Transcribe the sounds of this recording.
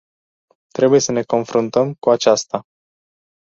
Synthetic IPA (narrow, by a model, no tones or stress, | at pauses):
t̪ɾe̞buje̞səne̞ko̞nfɾunt̪əmkuat͡ʃast̪a